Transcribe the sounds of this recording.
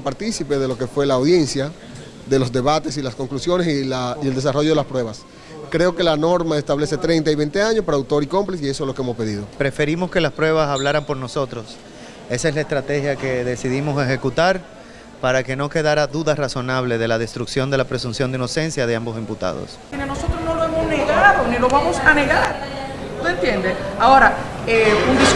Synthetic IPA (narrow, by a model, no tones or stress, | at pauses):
paɾt̪isipe̞ðe̞lo̞ke̞fwe̞laːwðje̞nsja | ðe̞lo̞zd̪e̞βat̪e̞silasko̞ŋklusjo̞nesilaield̪es̬aro̞ʝoelaspɾwe̞βas | kɾe̞o̞ke̞lano̞ɾmaest̪aβle̞se̞t̪ɾe̞jnt̪aiβe̞jnt̪e̞aɲospaɾawt̪o̞ɾiko̞mplisie̞soelokeemospe̞ðiðo̞pɾe̞fe̞ɾimo̞ske̞laspɾwe̞β̞asaβlaɾampo̞ɾno̞so̞t̪ɾo̞s | e̞saeslaest̪ɾat̪e̞xjake̞ðe̞siðimo̞se̞xe̞kut̪aɾ | paɾake̞noke̞ðaɾaðuðasraso̞naβ̞le̞ð̞e̞laðe̞st̪ɾuksjo̞nd̪e̞lapɾesunsjo̞nd̪eino̞se̞nsjaðe̞ambo̞s̬imput̪a̰ð̞o̞̰s | ineno̞so̞t̪ɾosno̞loemosneɣaðonilo̞βamo̞sane̞ɣaɾ | ut̪ent̪je̞nd̪esaoɾaeund̪i